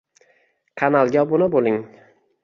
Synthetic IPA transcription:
qʰɑnalˠɡʲabʊnɪbolˠɪŋ

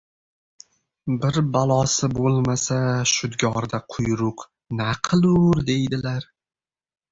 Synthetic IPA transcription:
bɪɾbalˠɒsɪbolˠmasaʃʊd̪ɡʲɒɾd̪aqʰʊjɾʊq | naqʰɨlˠʊɾd̪e̞jd̪ɪlaɾ

